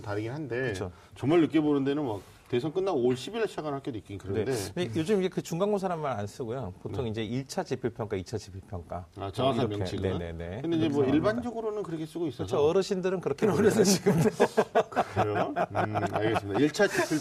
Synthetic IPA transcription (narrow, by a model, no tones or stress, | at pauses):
taɾɯɡinɦande̞kɯt͡ɕʰo | t͡ɕʌŋmaɭːɯk̬͈ebonɯnde̞nɯnwak̚ | te̞s̬ʰʌŋk͈ɯnːaoɭɕ͈ʰibiɾaɕʰaɡanhak͈edik͈ikɯɾʌnedenejod͡ʑɯmiɡekɯt͡ɕuŋɡaŋɡosʰaɾamaɾans͈ɯɡojopottʰoŋind͡ʑe̞iɭt͡ɕʰat͡ɕipʰuɭpʰjʌŋk͈ait͡ɕʰat͡ɕipʰiɭpʰjʌŋk͈aat͡ɕaiɾʌenene̞̰ne̞kɯndeid͡ʑemwʌiɭband͡ʑʌɡɯɾonɯnkɯɾʌkʰe̞s͈ɯɡois͈ɯst͡ɕʰoʌɾɯɕʰindɯɾɯnkɯɾʌkʰeɾʌsɯɕiɡɯmdko | aɭɡesɕimidaiɭt͡ɕʰat͡ɕipʰi